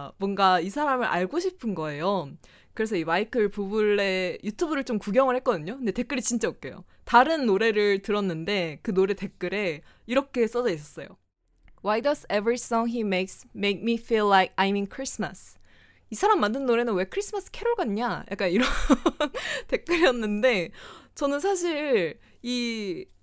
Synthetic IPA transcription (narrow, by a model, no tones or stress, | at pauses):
mwʌnɡaisʰaɾamɯɾʔa̰ɭɡoɕʰipʰɯnɡʌe̞jo | kɯɾe̞s̬ʰʌimaikʰɯɭpubuɭːe̞jutʰubuɾɯɭt͡ɕomkuɡjʌŋɯɭhe̞k͈ʌdɯɲoinde̞te̞k͈ɯɾit͡ɕint͡ɕ͈aok͈̚e̞jo̰ | taɾɯnːoɾe̞ɾɯɭtɯɾʌnːɯnde̞kɯnoɾe̞te̞k͈ɯɾe̞ | iɾʌkʰe̞s͈ʌd͡ʑʌis̬͈ʌs͈ʌjo̰ | wajdʌsevɹis͈ʌŋɦimeksmek̚mifilːaɪk̚ajminkʰɾisma̰s | isʰaɾamːandɯnːoɾe̞nɯnwe̞kʰɯɾis͈ʰɯmas͈ʰɯ̥kʰe̞ɾoɭɡaɲajʔa̰k͈aniɾʌnte̞k͈ɯɾijʌnːɯnde̞t͡ɕʌnɯnsʰaɕ̬ʰiɭ | i